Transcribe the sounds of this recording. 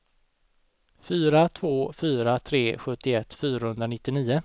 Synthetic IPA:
fyːɾat̪ʰvoːfyːɾat̪ʰɾeːɧɵt̪ːɪɛt̪ːfyːɾahɵnd̪ɾanɪt̪ːɪniːə

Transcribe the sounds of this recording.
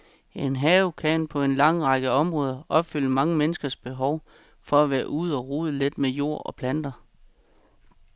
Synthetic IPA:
e̝nɦɛːʊkʰænpʰɒ̽e̝nlɑ̈ŋ̰ʁɑ̈ɡ̥əɒ̽mʁɔ̽ːð̞ˠɐʔɒ̽b̥fyl̰əmɑ̈ŋəmenəsɡ̥ɐsb̥e̝ɦɒʊ | fɒ̽æʋæːɐʔuð̞̩̰ˠɒ̽ʁuːð̞ˠəle̝d̥mejo̝̰ɐ̰ɒ̽pʰlænd̥ɐ

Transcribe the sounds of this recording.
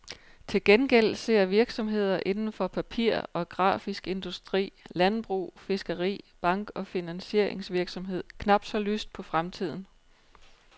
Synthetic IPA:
t͡sʰe̝lɡ̥enɡ̥el̰se̝ɐ̰ʋiɐɡ̥sɒ̽mɦe̝ð̞̰ˠɐʔe̝nn̩fɒ̽pʰæpʰiɐ̰ɒ̽ɡ̥ʁɑ̰̈ːfisɡ̥e̝nd̥usd̥ʁḭːlænb̥ʁṵːfe̝sɡ̥əʁḭːb̥ɑ̈ŋ̰ɡ̥ɒ̽finænse̝ɐ̰e̝ŋsʋiɐɡ̥sɒ̽mɦe̝ð̞̰ˠkʰnɑ̈b̥d̥sɒ̽ly̰ːsd̥̚pʰɒ̽fʁamt͡sʰið̞̰ˠn̩

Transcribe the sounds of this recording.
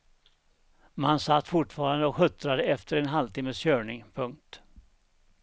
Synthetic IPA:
mansat̪ːfʊʈfɑːɾand̪əɔkhɵt̪ɾad̪əɛft̪ʰəɾɛnɦalt̪ɪməsɕøːɳɪŋpʰɵŋk̚t̪

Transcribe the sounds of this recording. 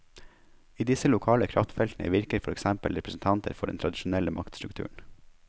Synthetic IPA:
iːd̪ɪsəlʊkʰɑːləkʰɾɑft̪fɛlt̪n̩ʔə̰ʋɪɾkəɾfɔɾɛksæmpəlɾɛpɾəsn̩t̪ʰɑnt̪ʰə̰ɾfɔɖɛnt̪ʰɾɑd̪ɪʃʊnɛləmʔɑkt̪st̪ɾʉkt̪ʰʉ̰ːɳ̩

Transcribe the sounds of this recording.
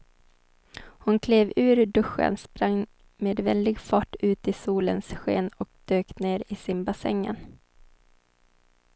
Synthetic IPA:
hʊnkʰleːvʉ̟ːɾɖɵɧə̰nspɾaŋ | meːd̪vɛld̪ɪɡfɑːʈːʉ̟ːt̪ɪsuːlənsɧḛːnɔk̚d̪̥øːkneːɾɪsɪnbasɛ̰ŋːə̰n

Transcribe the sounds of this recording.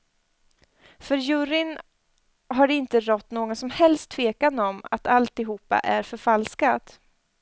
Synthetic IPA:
fœɾjɵɾɪn | ɦaɖɪnt̪əɾɔt̪ːnoːɡɔnsɔmhɛlst̪ʰːveːkanɔma̰t̪ʰalt̪ɪɦuːpːa̰ʔæɾfœɾfalskat̪

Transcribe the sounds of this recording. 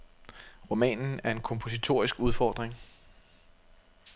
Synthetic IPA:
ʁomɛ̰ːnn̩æɐe̝nkʰɒ̽mpʰo̝s̬it͡sʰo̝̰ɐ̰isɡ̥uðˠfɒ̰ːd̥ʁeŋ

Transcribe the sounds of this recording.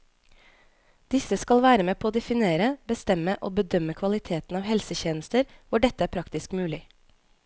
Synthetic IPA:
d̪̥ɪsəskɑlʋæːɾəmeːpʰoːoːd̪ɛfɪneːɾəbəst̪ɛməʔoːbəd̪œməkʰʋɑlɪt̪ʰeːt̪n̩ɑːʋhɛlsəçeːnəst̪əɾʋʊɖɛt̪əæːɾpʰɾɑkt̪ɪskmʉːlɪ

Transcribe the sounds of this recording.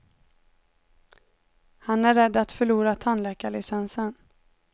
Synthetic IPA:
hanæɾːɛd̪ːat̪fœɭuːɾat̪ʰanlɛːkaɭɪsɛnsən

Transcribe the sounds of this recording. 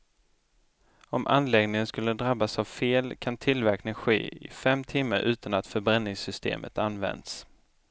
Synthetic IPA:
ɔmʔa̰nːlɛɡnɪŋənskɵlːəd̪ɾabːasavfeːlkʰant̪ʰɪlvæɾknɪŋɧḛːɪ̰fɛmt̪ʰɪmːəɾʔʉ̟ːt̪anat̪fœɾbɾɛnːɪŋsʏst̪ḛːmʔə̰t̪anːvɛ̰nd̪s

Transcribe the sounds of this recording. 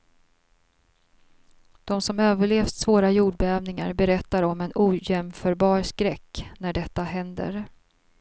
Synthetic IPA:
d̪̥ɔmsɔmøːvəɭeːvssvoːɾajuːɖbɛɛːvnɪŋa̰ɾbɛɾɛt̪ːaɾɔmɛnʔuːjɛmfœːɾbɑːɾskɾɛkːnæɖɛt̪ːaɦɛnd̪ə̰ɾ

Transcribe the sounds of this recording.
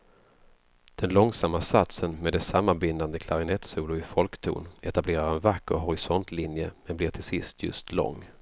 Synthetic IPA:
d̪̥ɛnlɔŋsamːasat̪sənmeːd̪ɛsamːanbɪnd̪and̪əkʰlaɾɪnɛt̪suːlʊɪfɔlkt̪ʰṵːnɛt̪ableːɾaɾɛnvakːəɾɦɔɾɪsɔnt̪ʰlɪnjəmɛnblɪʈʰɪlsɪst̪ʰjɵ̰st̪lɔ̰ŋː

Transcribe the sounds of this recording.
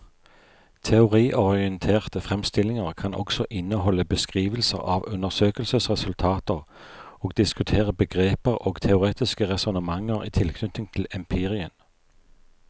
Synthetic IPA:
t̪ʰɛʊʁiːʔɔʁɪənt̪ʰeːʁt̪əfʁɛmst̪ɪlɪŋəʁkʰɑnʔɔ̰ksɔʔɪnəhɔlːəbəskʁiːʋəlsə̰ʁɑʋʉnəʁsøːkəlsəsʁɛsʉlt̪ʰɑːt̪əʁ | oːɡ̚d̪ɪskʉt̪ʰeːʁəbəɡʁeːpəʁoːɡ̥t̪ʰɛʊʁeːt̪ɪskəʁɛsʊnəmɑŋəʁḭːt̪ʰɪlkʰnʏt̪ɪŋt̪ʰɪlɪmpʰeːʁɪən

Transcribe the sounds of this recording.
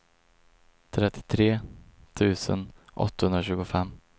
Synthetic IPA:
t̪ʰɾɛt̪ʰːɪ̥t̪ʰɾeːt̪ʰʉ̟ːsə̰nʔɔ̰t̪ːahɵnɾaɕʉ̟ːɡʊfɛmː

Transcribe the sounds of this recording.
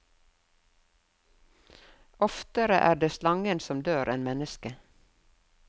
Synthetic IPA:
ɔft̪əɾə̰ʔæːɖeːslɑŋənsɔmd̪øːɾʔeːnmɛnəskə

